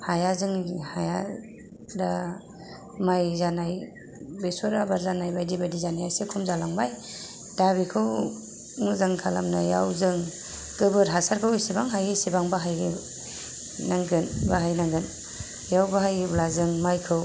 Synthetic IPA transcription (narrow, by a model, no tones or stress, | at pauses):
hajazɯŋhaja̰ | da | majzanaj | besɔɾabaɾzanajbajdibadizanijajsekʰumzalaŋbaj | d̥aβikʰɯw | ŋɯzaŋkʰala̰mnaja̰wzɯŋ | ɡɯbɯɾɦasaɾkʰɯwsibaŋɦajisibaŋbaɦajɡ | naŋɡɯnbaɦajnaŋɡɯn | jawbaɦajɡiblazɯŋmajkʰɯw